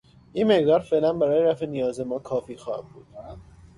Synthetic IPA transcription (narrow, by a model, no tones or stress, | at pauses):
ʔiːnmeɣd̪ɒːɾfe̞ʔlænbæɾɒːjeɾæfenijɒːze̞mɒːkʰɒːfiːxɒːhæ̰mbuːd̪̥